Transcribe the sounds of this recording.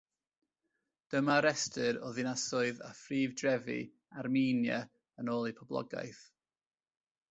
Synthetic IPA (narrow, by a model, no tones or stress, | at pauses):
d̥əmaɾɛstɨɾoːðinasʊɨða̰friːvdrɛvḭ | armiːnjə | ənoːlˠipʰɔblˠɔ̰ɡa̰jθ